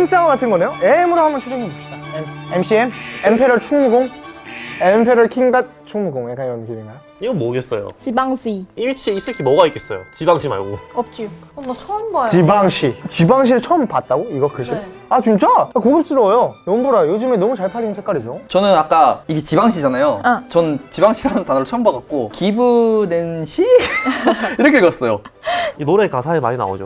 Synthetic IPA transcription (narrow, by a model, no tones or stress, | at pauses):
imt͡ɕ͈awaɡatʰɯnɡʌne̞joemuɾahamjʌnt͡ɕʰud͡ʑemɯop̚ɕ͈idaememɕiemempʰeɾʌɭt͡ɕʰuŋmuɡoŋ | empʰeɾʌɭkʰiŋɡat̚t͡ɕʰuŋmuɡoŋjakaniɾʌnkʰiniŋɡa | iɡʌnmoɡes͈ʌjo̰t͡ɕibaŋɕʰiimit͡ɕʰiis͈ɯkʰimʌɣaik͈e̞s͈ʌjo̰t͡ɕibaŋɕʰima̰ɭɡo̰ʌp̚t͡ɕ͈i | t͡ɕʰʌmt͡ɕibaŋɕʰit͡ɕibaŋɕ̬ʰiɾɯɭt͡ɕʰʌmpat̚t͈aɡoiɡʌkɯɕʰi | at͡ɕunt͡ɕ͈aakoɡip̚s͈ɯɾʌjonʌmbʌɾajojod͡ʑɯmenʌmut͡ɕaɭpʰaɾːinnsʰek͈aɾid͡ʑot͡ɕʌnɯnak͈aiɡet͡ɕibaŋɕʰid͡ʑanajot͡ɕʌnɯnt͡ɕibaŋɕʰiɾanɯntanʌɾɯt͡ɕʰʌmbadat̚k͈okibunenɕʰi | iɾʌkʰekʌs͈ʌjoinoɾekasʰaema̰ɲina̰o̰d͡ʑo̰